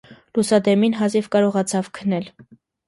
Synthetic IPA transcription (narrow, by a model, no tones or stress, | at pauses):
lusɑd̪ɛminɦɑzivkɑɾɔʁɑt͡sʰɑvkʰənɛl